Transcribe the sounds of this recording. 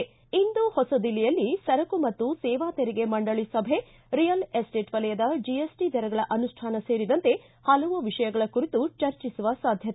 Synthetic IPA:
ind̪uhɔsɐd̪ilɛjɐlːisɐɾɐkumɐt̪ːusɛːʋaːt̪eɾiɡe̞mɐɳɖɐɭisɐbʱe̞ | ɾijɐlesʈeːʈʋɐlɐjɐd̪ɐd͡ʒiesʈid̪ʱɐɾɐɡɐɭɐʔɐnuʂʈʰaːnɐseːɾid̪ɐnt̪e̞ | hɐlɐʋuʋiʂɐjɐɡɐɭɐkuɾit̪ut͡ʃɐɾt͡ʃisuʋɐsaːd̪ʱjɐt̪

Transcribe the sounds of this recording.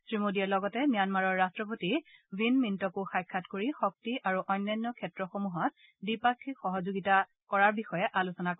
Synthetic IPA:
sɹimodiɛlɔɡɔtɛmijanmaɹɔɹːastɹɔp̬otivinmintɔkuxajkʰːatkoɹixɔk̚tiʔaɹuʔɔjnːajnːɔkʰɛtɹɔxomuɦɔt̚ | bipakʰːixɔɦɔzuɡita | kɔɹaɹbixɔjɛʔalusɔnak

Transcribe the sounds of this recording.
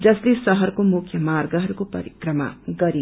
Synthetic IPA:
d͡zʌslesʌɦʌrkomukʰjʌmarɡʌɦʌɾukopʌ̰ɾikrʌma̰ɡʌɾi

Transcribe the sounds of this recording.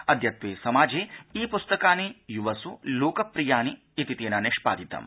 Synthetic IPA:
ɐd̪ʱjɐt̪ʋeːsɐmaːd͡ʒeːiːpust̪ɐkaːnijuʋɐsuloːkɐpɾijaːniː | t̪it̪eːnɐneʂpa̰ːd̪it̪ɐ̰m

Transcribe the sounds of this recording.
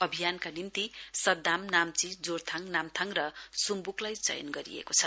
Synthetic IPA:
ʌbʱijankanimt̪isʌd̪ːamnamt͡sid͡zort̪ʰaŋnamt̪ʰaŋrʌsumbuklajt͡sʌ̰jʌ̰nɡʌɾḭḛkot͡sʰʌ

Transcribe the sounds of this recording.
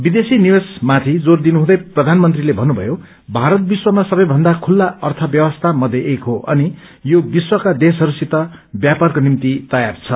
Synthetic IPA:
bid̪esinibesmat̪ʰid͡zord̪inuɦũd̪ʌjprʌd̪ʱanmʌnt̪rilebʱʌnːubʱʌ̰jo | bʱaɾʌt̪̚biswʌmasʌbʌjbʱʌnd̪akʰulːaʌrt̪ʰʌbjʌwʌst̪ʰamʌd̪ʱjeʔekɦoʔʌni | jobiswʌkad̪es̬ʌɾusit̪ʌbjaparkonimt̪it̪ʌjart͡sʰʌ

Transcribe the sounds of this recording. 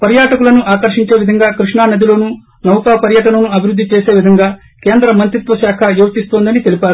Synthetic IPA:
pɐɾjaːʈɐkulɐnuʔaːkɐɾʂiɲt͡ʃe̞ːʋid̪ʱɐŋɡaːkɾiʂɳaːnɐd̪ilo̞ːnu | nɐwkaːpɐɾjɐʈɐnɐnuɐbʱiɾud̪ːit͡ʃeːse̞ːʋid̪ʱɐŋɡaː | keːnd̪ɾɐmɐnt̪ɾit̪ʋɐʃaːkʰɐjuːʋɐt̪ist̪o̞ːnd̪ɐnit̪e̞lipaːɾu

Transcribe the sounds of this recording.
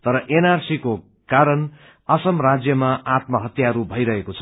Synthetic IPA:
t̪ʌɾʌʔenarsiko | kaɾʌn | ʌsʌmrad͡zjʌmaʔat̪mʌɦʌt̪jaɾubʱʌjɾʌɦekot͡sʰʌ̥

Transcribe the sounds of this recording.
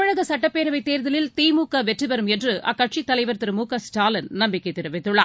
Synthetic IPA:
ɐɻɐɣɐsɐʈːɐpːeːɾɐʋɐɪt̪ːeːɾðɐlɪlt̪iːmuːkːɐʋɛʈrɯʋɐɾɯmɛndrɯʔɐ̰kːɐʈ̚ʂit̪ːɐlɐɪʋɐɾt̪ɪɾɯmuːkɐsʈaːlɐnnɐmbɪkːɐɪt̪ːɪɾɯʋɪt̪ːɯɭːɐ̰

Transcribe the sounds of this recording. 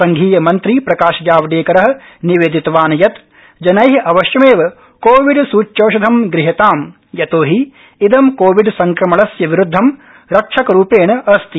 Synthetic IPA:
sɐŋɡʱiːjɐmɐnt̪ɾipɾɐkaːʃɐd͡ʒaːʋɐɖeːkɐɾɐɦɐ̆ | niʋeːd̪it̪ɐʋaːnɐjɐt̪ | d͡ʒɐnɐjɦɐʋɐʃjɐmeːʋɐ | koːʋiɖsuːt͡ʃjoːʃɐd̪ʱɐmɡɾiɦɐt̪aːm | jɐt̪oːɦiː | d̪ɐmkoːʋiɖsɐŋkɾɐmɐɭɐsjɐʋiɾud̪ʱːɐm | ɾɐkʂʰɐkɐɾuːpeːɳɐɐɾɐst̪i

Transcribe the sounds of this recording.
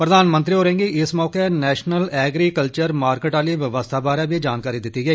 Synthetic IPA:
pɾəd̪aːnmə̃nt̪ɾiːɦoːɾẽːŋɡiɪsmɔːkenɛːʃnəlɛːɡɾiːkəlt͡ʃəɾmaːɾkeːʈaːliːʋɪʋəst̪ʰaːbaːɾɛːbiːd͡ʒaːnkaːɾiːd̪ɪt̪ːiːɡəiː

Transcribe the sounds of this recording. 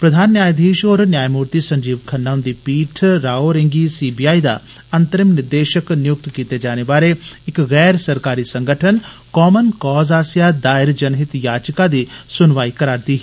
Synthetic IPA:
pɾəd̪ʱaːnːjaːjd̪ʱeːʃoːɾnjaːjmuːɾt̪isɐ̃ɲd͡ʒiːʋkʰɐnːaːʊ̃nd̪iːpiːʈʰɾaːoɾẽŋɡiːsiːbiːjaːid̪a̰ː | ɐnt̪əɾɪmnɪɾd̪eːʃəknɪjʊk̚t̪kiːt̪ed͡ʒaːnebaːɾeɪkɣɛːɾsəɾkaːɾisə̃ŋɡʱəʈʰən | kɔːmənkɔːzaːsjad̪aːɪɾd͡ʒənɦɪt̪jaːd͡ʒkad̪iːsʊnʋaːikəɾaːɾt̪iːɦ

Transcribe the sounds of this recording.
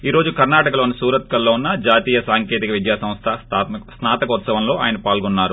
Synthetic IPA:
iːɾo̞ːd͡ʒukɐɾnaːʈɐkɐlo̞ːnisuːɾɐt̪̚kɐlːoːunːɐd͡ʒaːt̪iːjɐsaːŋkeːt̪ikɐʋid̪jaːsɐ̃mst̪ʰɐst̪ʰat̪snaːt̪ɐkɐut̪sɐʋɐmlo̞ːʔa̰ːjɐnɐpaːlɡɔnːaːɾu

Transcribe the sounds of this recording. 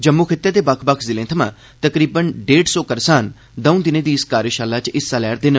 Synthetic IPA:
d͡ʒəmːuːkʰɪt̪ːeːd̪eːbəkʰbəkʰzɪlẽːt̪ʰəmã̰ː | t̪əkɾiːbənɖeːɖsɔːkəɾsaːn | d̪əũːd̪ɪnẽːd̪iːɪskaːɾəʃaːlːaːt͡ʃɪsːalɛːɾd̪eːnə

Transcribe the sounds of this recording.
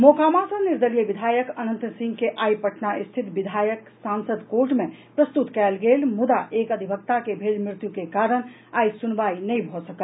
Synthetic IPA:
mokamasə̃niɾd̪ʱəɾijəbid̪ʱajəkənənt̪sĩŋɡkeʔajpəʈʰnaʔist̪ʰit̪bid̪ʱajək | sansəd̪koɾʈmẽ | pɾəst̪ut̪kɛlɡelmud̪aʔekəd̪ʱibʱəkt̪akebʱelmɾɪt̪jukekaɾəñ | ajsunbainɛjbʱɔsəkəl

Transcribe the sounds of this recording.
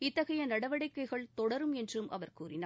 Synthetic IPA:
ɪt̪ːɐɣɐjɐnɐɽɐʋɐɽɐɪkːɐɪɣɐɭt̪ɔɽɐɾɯmɛndrɯmʔɐ̰ʋɐɾkuːrɪnaː

